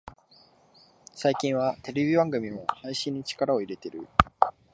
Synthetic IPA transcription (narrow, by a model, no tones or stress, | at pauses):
saikʲĩɰ̃βat̪e̞ɾʲe̞bʲibãŋɡɯ̟mʲimo̞haiɕĩɲ̟ːit͡ɕi̥kaɾao̞iɾe̞t̪e̞ɾɯ̟̰